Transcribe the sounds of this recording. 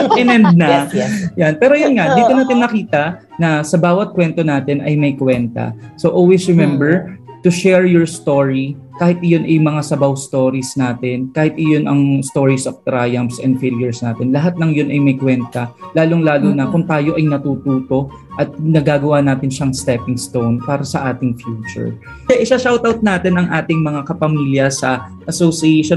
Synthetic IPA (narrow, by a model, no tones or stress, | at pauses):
ɐmɛnd̪̚nɐjanpɛːɾojonŋad̪iːt̪onaːt̪ɪnːɐkiːt̪ɐ | nɐsɐbaːwɐt̪̚kwɛnt̪o̞naːt̪ɛnɐjmɐjkwɛnt̪ɐ̰soʔolwɛsɹɛmɛmbɛɹt̪ʊʃɛɹjoɹst̪oːɹi | kaːhɪt̪̚ɪjonʔɐjmɐŋasɐbawst̪oːɾisnaːt̪ɛnkaːhɪt̪ɪjonʔɐŋst̪o̞ːɹisɐft̪ɾajɐmfsɛnd̪feljʊɹsnaːt̪ɛnlɐɦat̪̚nɐŋjonʔɐjmɐjkwɛnt̪ɐlaːlʊŋlaːlʊnɐkʊŋt̪aːjo̞ʔɐjnɐt̪uːt̪uːt̪o̞ | ʔɐt̪̚nɐɡaːɡɐwaːnaːt̪ɪnʃɐŋst̪ɛpɪŋst̪o̞wnpaːɾɐsɐʔaːt̪ɪŋfjuːt͡ʃʊ̰ɹ | aʔɪʃaʃawt̪awt̪̚naːt̪ɛnɐŋʔaːt̪ɪŋmɐŋakɐpɐmiːljɐsɐʔɐsosieʃo